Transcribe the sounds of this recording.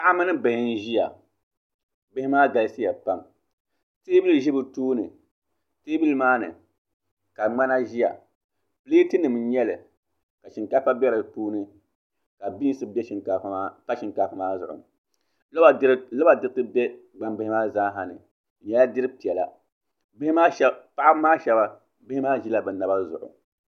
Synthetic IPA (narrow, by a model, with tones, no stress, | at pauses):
a˦a˦mɨ˦nɨ˦bɪ˨hɪ˦n˦ʒi˦ja̰˨ | bɪ˦hɪ˦maː˦ɡa˨lsi˦ja˨pa˦m | te˦bɨ˦lʒi˦bɨ˨tuː˦nɨ˨ | teː˦bi˦lmaː˦nɨ̰˨ | ka˨ŋ͡ma˦na˦ʒi˦ja̰˨ | pli˦tɨ˦nɨ˨m˨˦ɲɛ˦lɨ˨ | ka˨ʃi˨ŋka˦fa˦bɛ˦ɾa˨puː˦nɨ˨ | ka˨bi˦sɨ˦bɛ˦ʃi˨ŋka˨˦a˦pa˦ʃi˨ŋka˨fɨ˦maː˦zʊ̰˨ʔʊ̰˨ | llɨ˦ba˨dɨ˦ɾɨ˦tɨ˦bɛ˦ | ɡ͡ba˨mbɪ˦hɪ˦maː˦zaː˦ɦa˨nɨ̰˨ | ɲɛ˦la˦dɨ˦ɾɨ˦pi˨ɛ˨la̰˨ | bɪ˦hɪ˦maː˦ʃpa˦ʔa˦bmaː˦ʃɛ˦ba˦ | bɪ˦hɪ˦maː˦ʒi˦la˨bɨ˨na˨˦ba˦zʊ̰˨ʔʊ̰˨